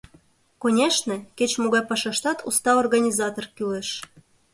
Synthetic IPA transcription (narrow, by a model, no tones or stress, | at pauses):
konʲeʃnĕket͡ɕmoɣɑjpɑʃɑʃt̪ɑt̪ʰṵst̪ɑorɣɑnʲizɑt̪orkyleʃ